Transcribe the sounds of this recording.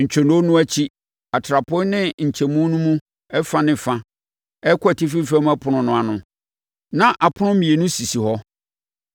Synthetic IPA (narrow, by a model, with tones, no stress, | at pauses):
ɲ̩˨t͡ɕᶣʰɔ˨no˦nʊ̃˦æ˦t͡ɕʰi˦ | a˨tʰɾa˨pʰʊ̃˦nɪ̃˦ɲ̩˨t͡ɕʰɛ˨mũ˦nũ˦mũ˦ | ɛ˦fã˦nɪ̃˨fã˦ | ɛ˦kʰɔ˦æ˨ti˦f̬i˦fæ˦m˦æ˦pʰʊ˨nʊ̃˨nʊ̃˨˦a˨nʊ̃˨ | nã˦ʔa˨pʰʊ˦nʊ̃˦mĩ˨e˨nʊ̃˦si˨si˨hɔ˦